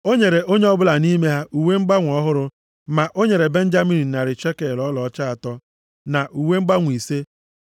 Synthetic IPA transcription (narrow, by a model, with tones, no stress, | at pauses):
o˦ɲe˨ɾe˨ʔo˦ɲe˦ɔ˦bʊ˦la˨ni˦me˦ɦa˦ʔu˨we˦ŋ͡m̩˦ɡ͡ba˦ŋʷɔ˦ɦʊ˦ɾʊ˦ | ma˨ʔo˦ɲe˨ɾe˨be˦n̩˦d͡ʒa˦mi˦ni˨na˨ɾɪ˨t͡ʃe˦ke˨lɔ˦lɔ˨˦t͡ʃa˦a˨tɔ˦ | na˨ʔu˨we˦ŋ͡m̩˦ɡ͡ba˦ŋʷ˨i˨se˦